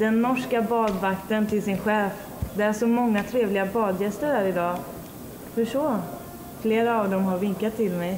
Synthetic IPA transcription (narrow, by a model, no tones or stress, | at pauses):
d̪ɛnːɔʂkabɑːd̪vakt̪ənt̪ʰɪlsɪnɧɛːf | d̪ɛæʂɔmɔŋːat̪ʰɾeːvlɪɡabɑːd̪jɛst̪əɾhæːɾɪd̪ɑː | hɵʂɔː | fleːɾaːvd̪ɔmɦaɾvɪŋkat̪ʰːɪlmɛj